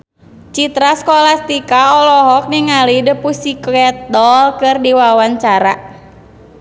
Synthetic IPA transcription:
t͡ʃit̪ɾaskɔlast̪ikaɔlɔɦɔk̚niŋalidəpusikɛt̪̚dɔlkɨrdiwawaɲt͡ʃaɾa

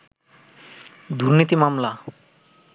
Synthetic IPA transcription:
d̪uɾnit̪imamla

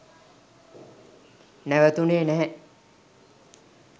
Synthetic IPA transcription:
næʋət̪uneːnɛɦɛ

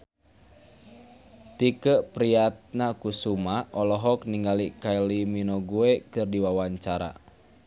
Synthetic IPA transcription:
t̪ikəʔpɾiat̪̚nakusumaʔɔlɔɦɔk̚niŋɡalikailiminɔɡuekɨrdiwawaɲt͡ʃaɾa̰

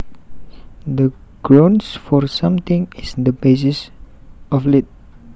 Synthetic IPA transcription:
d̪əɡ̥ɹõnsfɔɹsãmt̪ɪ̃ŋisnd̪əbes̬is | ɔflit̪̚

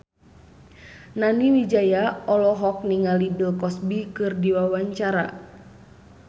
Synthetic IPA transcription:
naniwid͡ʒajaɔlɔɦɔk̚niŋalidəlkɔsbikɨrdiwawaɲt͡ʃaɾa

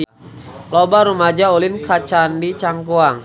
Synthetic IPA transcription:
lɔbaɾumad͡ʒaulɪnkat͡ʃandit͡ʃaŋkuaŋ

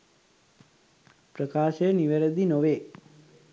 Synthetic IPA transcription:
pɾəkaːʃeniʋeɾəd̪inoʋe

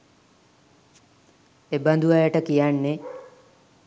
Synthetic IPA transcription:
eband̪uʋajəʈəkijanːe

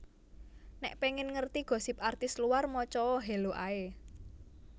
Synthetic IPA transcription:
nɛʔpeŋɪnŋərt̪iɡ̥ɔ̤sɪp̚art̪ɪsluwarmɔt͡ʃɔɔɦeloʔae

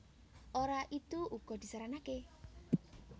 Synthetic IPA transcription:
ʔoɾaʔit̪uuɡ̥ɔ̤d̪̥i̤saɾanake

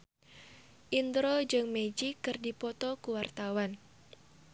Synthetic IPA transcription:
ʔind̪ɾod͡ʒɨŋmed͡ʒikːɨrdipɔt̪ɔkuwart̪awan

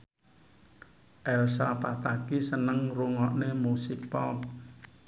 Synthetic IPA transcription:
ʔɛlsapat̪akisənəŋruŋɔʔnemusit͡ʃpɔp̚

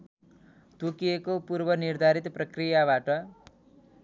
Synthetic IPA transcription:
t̪ukiekopuɾbʌniɾd̪ʱaɾit̪prʌkrijaβaʈʌ

